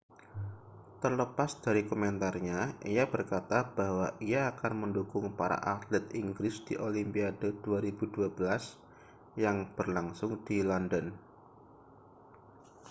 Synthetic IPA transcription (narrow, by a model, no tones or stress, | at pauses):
t̪ərləpasd̪̥aɾikomɛnt̪arɲaʔijab̥ərkat̪ab̥aɦwaʔiaːkanməndukʊŋpaɾa̰ʔat̪lɛt̪̚iŋɡɾɪsd̪̥iʔolimpiadod̥uaɾibuduabəlas | jaŋb̥ərlaŋsʊŋd̪̥ilɔndən